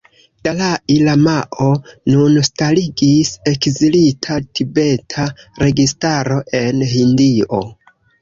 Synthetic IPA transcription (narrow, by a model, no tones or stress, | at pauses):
d̥alailamaʔo̞nunstaliɡise̞kzilitʰatʰibe̞tʰaɾe̞ɡistaɾo̞ʔe̞nhindio̞̰